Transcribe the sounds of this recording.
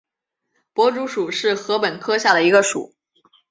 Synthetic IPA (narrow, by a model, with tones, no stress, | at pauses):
pwɔ˧˥ʈ͡ʂu˧˥ʂu˨˩ʂɻ̩˥˩xɤ˧˥pə˨˩nkʰɤ˥ɕja˥˩d̪ə˩i˧˥ɡə˧ʂṵ˨˩˦